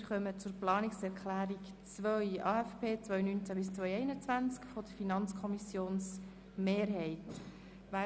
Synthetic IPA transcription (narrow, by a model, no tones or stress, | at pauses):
ɾχœmət͡sʊɾplɑːniksɛɾkʰlæːɾik | t͡sʋœjʔɑːɛfpʰeːt͡sʋœjnynt͡sæbɪst͡sʋœjɛɪnət͡sʋænt͡skfɔd̪əfinɑnt͡skʰɔmisjoːns | meːɾɦɛɪt | ʋæ